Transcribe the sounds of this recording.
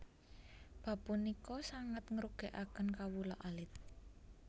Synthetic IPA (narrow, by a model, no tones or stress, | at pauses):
b̥ä̤punikɔsaŋət̪ŋəɾuɡ̥e̤ʔakənkawulɔʔalɪt̪̚